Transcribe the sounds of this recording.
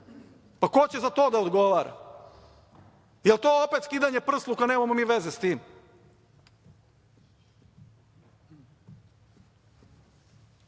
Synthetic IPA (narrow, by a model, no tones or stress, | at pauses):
pakot͡ɕezat̪o̞ːd̪aod̪ɡo̞ʋaːɾa̰ | jelˠt̪oopet̪skid̪aɲepr̩slˠukaneːmamomiːʋezest̪iːm